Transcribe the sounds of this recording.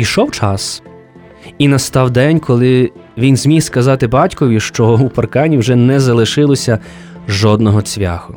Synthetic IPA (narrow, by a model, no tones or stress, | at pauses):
iʃɔwt͡ʃɑs | inɐst̪ɑwd̪ɛnʲkɔlˠɪʋʲinzʲmʲijskɐzɑt̪ɪbɑtʲkɔʋʲiʃt͡ʃɔupɐrkɑnʲiwʒɛnɛzɐlˠɪʃɪlˠɔsʲɐ | ʒɔd̪nɔɦɔt͡sʲʋʲa̰xʊ